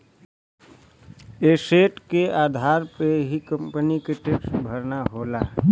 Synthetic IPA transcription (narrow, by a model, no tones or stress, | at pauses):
eːseːʈkeaːd̪ʱaːɾpeɦikə̃mpənikɾɪʈɪʈsbʱəɾnaɦoːla